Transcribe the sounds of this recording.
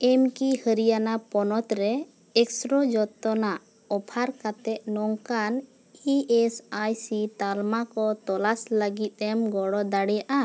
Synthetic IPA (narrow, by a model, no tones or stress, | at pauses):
ɛmkihəɾijanapɔnɔt̪ɾɛ | ɛksɾɔd͡ʒɔt̪ːɔnaʔ | ɔpʰaɾkat̪ɛʔ̪̚nɔŋkan | iɛsajsit̪almakɔt̪ɔlasləɡit̪̚ˀɛmɡɔɽɔd̪aɽɛjaʔa